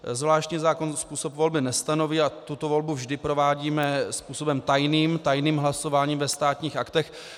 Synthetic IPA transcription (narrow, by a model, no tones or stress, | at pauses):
zvlaːʃt̪ɲiːzaːkonspuːsopvo̞lbɪnɛst̪ano̞viːat̪ut̪ovo̞lbuvʒdɪpɾovaːɟiːmɛspuːsobɛmt̪ajniːmt̪ajniːmɦlaso̞vaːɲiːmvɛst̪aːt̪ɲiːxʔakt̪ɛx